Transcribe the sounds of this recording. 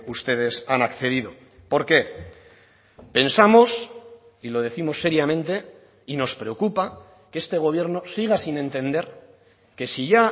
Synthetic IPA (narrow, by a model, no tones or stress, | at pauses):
ust̪e̞ð̞e̞sanakθe̞ðiðo̞ | po̞ɾke̞ | pe̞nsamo̞s | ilo̞ð̞e̞θimo̞sːe̞ɾjamẽ̞nt̪e̞ | ino̞spɾe̞okupa | ke̞st̪e̞ɣ̞o̞β̞je̞ɾno̞siɣ̞asinẽ̞nt̪e̞nd̪e̞ɾ | ke̞siʝa